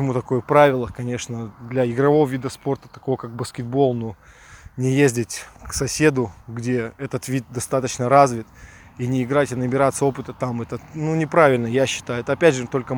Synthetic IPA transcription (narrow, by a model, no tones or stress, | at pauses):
ət͡ɕɪmut̪ɐko̞jəpɾavʲɪlˠəkɐnʲe̞ʂnəd̪lʲɐɪɡɾɐvo̞vəvʲid̪əspo̞rt̪ə̥t̪ɐko̞vəkak̚bəskʲɪd̪̚bo̞lˠno | nʲɪjezʲdʲɪtʲksɐsʲe̞d̪ʊɡdʲe̞ɛt̪ət̪vʲid̪̚d̪ɐst̪at̪ət͡ɕnəɾazvʲɪt̪ | inʲɪɪɡɾatʲɪnəbʲɪɾat̪səo̞pɨt̪ət̪amɛt̪ənunʲɪpɾavʲɪlʲnəjaɕːɪ̥t̪ajʊɛt̪əɐpʲædʲʐɨt̪o̞lʲkə